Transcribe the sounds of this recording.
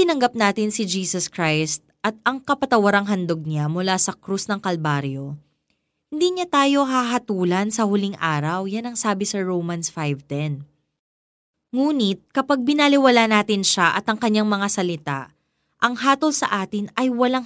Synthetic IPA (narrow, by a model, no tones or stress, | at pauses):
ɪnɐŋɡap̚naːt̪ɪnsɪd͡ʒiːsɐskɾajst̪̚ʔɐt̪̚ɐŋkɐpɐt̪ɐwɐɾaŋɦɐnd̪oɡ̚namʊlaːsɐkɾusnɐŋkɐlbaːɾjo̞ | hɪnd̪iːɲat̪aːjo̞ɦaɦɐt̪uːlɐnsɐhʊliŋʔaːɾɐwjanɐŋsaːbɪsɐɹowmɐnsfajvt̪ɛn | ŋuːnɪt̪̚kɐpaɡ̚bɪnalɪwɐlanaːt̪ɪnʃaʔɐt̪ɐŋkɐɲːaŋmɐŋasɐlɪt̪a̰ | ʔɐŋɦaːt̪olsɐ̰ʔaːt̪ɪnɐjwɐlaŋ